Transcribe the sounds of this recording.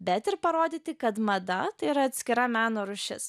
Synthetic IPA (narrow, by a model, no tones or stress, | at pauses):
bʲɛt̪ɪɾpɐɾoːd̪ʲiːt̪ʲɪkɐt̪mɐd̪ɐt̪ɐɪiɾɐɐt̪ʲsʲkʲɪɾɐmʲæːnoːɾʊʃʲɪ̰s